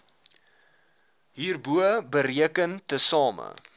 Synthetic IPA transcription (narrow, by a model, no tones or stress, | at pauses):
ɦiːrbuəbəɾiəkəntəsɑːmə̰